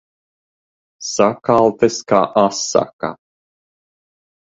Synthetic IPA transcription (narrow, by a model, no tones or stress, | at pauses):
sakalˠt̪ɛska̰ːʔasːa̰ka̰